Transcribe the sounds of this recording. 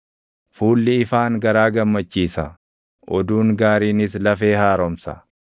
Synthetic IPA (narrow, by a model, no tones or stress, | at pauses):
fuːlːɪɪfaːŋɡɐɾaːɡɐmːɐt͡ʃːiːsɐ | ʔɔd̪uːŋɡaːɾiːnɪslɐfe̞ːhaːɾɔmsɐ̰